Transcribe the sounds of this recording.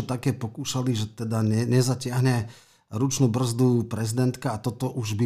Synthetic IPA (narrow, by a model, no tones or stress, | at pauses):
ɔt̪akɛːpɔkuːʃaliʒɛt̪ɛd̪aɛɲɛzacɪaɦɲɛ | ɾut͡ʃnuːbr̩zd̪upɾɛzid̪ɛnt̪kaːt̪ɔt̪ɔʔuʒbi